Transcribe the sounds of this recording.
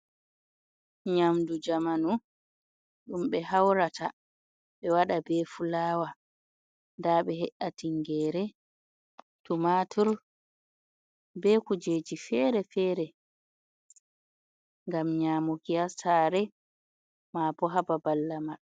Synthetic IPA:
ɲamdud͡ʒamanu | ɗumɓɛɦawɾatʰa | ɓɛwaɗabɛfulaːwa | ndaɓɛɦɛʔːatiŋɡɛːɾɛ | tumatʰɔɾ | bɛkud͡ʒeːd͡ʒifɛːɾɛfɛːɾɛ | ŋɡamɲaːmɔkijasaːɾɛ | maːpɔɦababalːama

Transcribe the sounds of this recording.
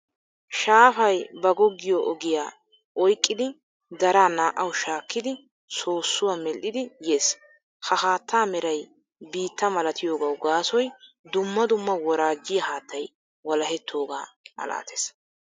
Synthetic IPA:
ʃaːfɐjbɐɡɔɡːɪjoʔɔɡɪjaː | ʔɔjkʼːɪd̪ɪ | d̪ɐɾaːnaːʔɐwʃaːkːɪd̪ɪ | so̞ːsːʊwaːmɛlʔːɪd̪ɪje̞ːs | hɐɦaːt̪ʰːaːmɛɾɐj | biːt̪ːɐmɐlɐt̪ʰɪjo̞ːɡɐwɡaːsɔj | d̪ʊmːɐd̪ʊmːɐwɔɾaːɡːɪjɐhaːt̪ʰːɐj | wɔlɐɦɛt̪ʰːo̞ːɡaːʔɐ̰la̰ːt̪ʰe̥s

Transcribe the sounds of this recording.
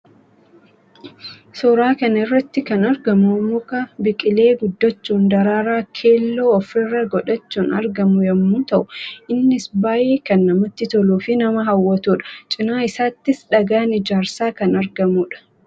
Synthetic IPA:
sɔɾaːkɐnɪrːɐt̪ːɪkɐnɐɾɡɐmumʊkɐbɪkʼɪle̞ːɡʊd̪ːɐt͡ʃːuːnd̪ɐɾaːɾaːkʰe̞ːlːoːɔfɾɪrːɐɡɔᶑɐt͡ʃːuːnɐɾɡɐmʊjɐmːuːt̪ɐʔʊʔɪnːɪsbaːʔeːkɐnːɐmɐt̪ːɪt̪ɔluːfɪnɐmɐɦɐwːɐt̪uːᶑɐ̥t͡ʃʼɪnaːɪsaːt̪ːɪsᶑɐɡaːnɪd͡ʒaːɾsaːkɐnɐɾɡɐmuːᶑɐ̥

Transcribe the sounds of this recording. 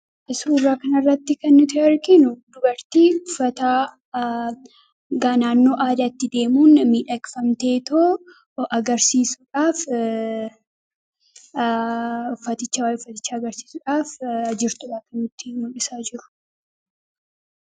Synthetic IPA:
ʔɪsuːrːaːkɐnɐrːɐt̪ːɪkɐnːɪt̪ɛɐɾkɪnʊd̪ʊbɐɾt̪iːʊfɐt̪aː | ɡaːnaːnːo̞ːʔaːd̪ɐt̪ːɪd̪e̞ːmuːnmiːᶑɐkfɐmt̪e̞ːt̪oː | ʔɐɡɐɾsiːsʊᶑaːf | ʊfːɐt̪ɪt͡ʃːɐwaːjʊfːɐt̪ɪt͡ʃːaːɡɐɾsi̥ːsʊᶑaːfɐd͡ʒɪɾt̪ʊᶑaːkɐnːʊt̪ːɪmʊlɪsaːd͡ʒɪɾʊ̥

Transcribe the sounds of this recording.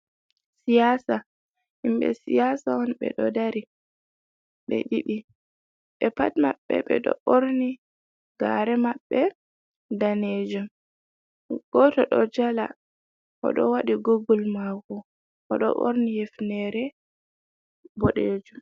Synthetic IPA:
sijaːsa | himbɛ̰sijasaɔnɓɛ̰ɗɔdaɾi | ɓɛ̰ɗiɗi | ɓɛpatma̰ɓːɛ̰ɓɛ̰ɗɔ̰ʔoɾni | ɡ̥a̰ɾɛmaɓːɛ | daned͡ʒum | ɡ̥ɔtɔɗɔd͡ʒala̰ | ʔɔ̰ɗɔ̰waɗiɡoɡulmaɡɔ | ʔɔɗɔ̰ʔo̰ɾnijefnɛɾɛ | bɔɗeːd͡ʒum

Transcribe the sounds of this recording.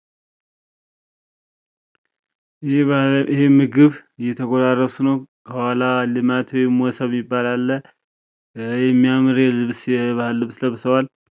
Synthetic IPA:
hemɨɡɨβjɛt̪ʰəɡʷod̪arːəsunəwkʰəwalalɨmat̪wɔjmwɔsəβmːibːalalːə | jɛmːijamɨɾjɛlɨβsjɛbahɨlːɨβsləβsəwal

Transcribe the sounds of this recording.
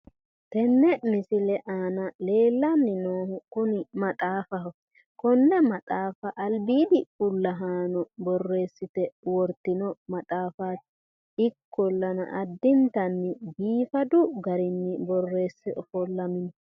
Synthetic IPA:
t̪ɛnːɛmɪsɪlɛʔaːnɐle̞ːlːɐnːɪnoːhʊkʊnɪmɐt̪ʼaːfɐhɔ | kɔnːɛmɐt̪ʼaːfɐʔɐlbiːd̪ɪkʼʊlːɐɦaːnɔbɔrːe̞ːsːɪt̪ɛwɔɾt̪ːɪnɔmɐt̪ʼaːfaːt̪ | ɪkʰːɔlːɐnɐ̰ʔɐd̪ːɪnt̪ɐnːɪbiːfɐd̪ʊɡɐɾɪnːɪbɔrːe̞ːsːɛɔfɔlːɐmɪnɔ

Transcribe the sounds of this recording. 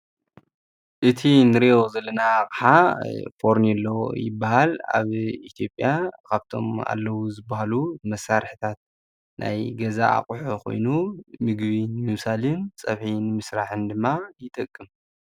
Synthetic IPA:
ʔɨt̪ʰinɨɾeozɐlːɐnaχʼħafo̞ɾnɛlːojɪbːahala̰βit̪ʰijopʼjakʰaβt̪ʰo̞̰ma̰lːɐwuzɨbahalumɐsːaɾħɨt̪ʰat̪̚ | na̰jɡɐzaa̰qʼuħokʰo̞̰jnumɨɡβinɨmɨβsalint͡sʼɐβħinɨmɨsɾaħɨnd̪ɨmːajɪt̪ʼɐkʼːɨm

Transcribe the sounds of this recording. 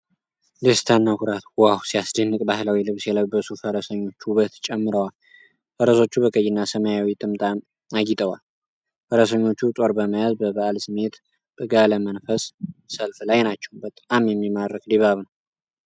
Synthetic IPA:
lest̪ʰanːakʰuɾat̪wahusijasd̪ənːɨkʼbahlawilɨβsjɛləjbəsufəɾəsəɲːo̞t͡ʃːwuβət̪t͡ʃʼɛmːɨɾəwal | fəɾəso̞t͡ʃːubəkʼəjːɪnːasəməjawit̪ʼɨmt̪ʼa | aɡɪt̪ʼəwal | fəɾəsəɲːo̞t͡ʃːut̪ʼo̞ɾbəməjazbəβaʔalsɨme̞t̪ | bʼɨɡaləmənfəssəlflajnat͡ʃːɛwmbət̪ʼamjɛmːimarːəkʼd̪iβaβnəw

